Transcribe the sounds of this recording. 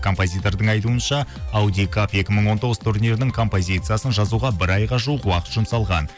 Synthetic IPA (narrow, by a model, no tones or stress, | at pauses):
kʰo̞mpo̞zʲijt̪o̞ɾd̪əɴɑjt̪uənʃɑawd̪ijkʰapje̞kʲɪməɴwo̞nt̪oʁəz̥t̪ʰuɾnʲe̞ɾɪnɪŋkʰo̞mpo̞zʲijt̪sɨjasənʒɑzuʁɑbɪɾɑjʁɑʒuəqwɑqət̪ʒʊmsɑlˠʁɑn